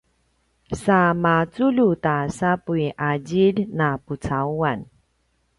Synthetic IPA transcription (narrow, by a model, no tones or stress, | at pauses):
samat͡sulutasapuiʔaɟilnaput͡sauan